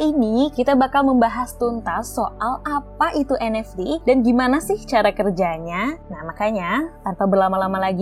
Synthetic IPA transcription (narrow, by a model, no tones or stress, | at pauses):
inikit̪abakalməmbaɦast̪unt̪asoʔalapaʔit̪uʔɛnɛfdidanɡimanasɪht͡ʃaɾakərd͡ʒaɲanahmakaɲat̪anpabərlamalamalaɡi